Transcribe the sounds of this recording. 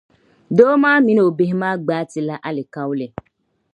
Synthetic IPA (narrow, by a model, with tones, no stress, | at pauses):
doː˦mãː˦mĩ˦n˨o˨be˦ɦmãː˦ɡ͡baː˨˦ti˨la˦ʔa˦le˨ka˦wu˦le˨